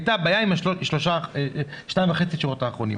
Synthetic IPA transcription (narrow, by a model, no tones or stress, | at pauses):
jtabajaimaʃoʃloʃaeʃnajɱvaχet͡siʃiʁo̞taːχʁonḭm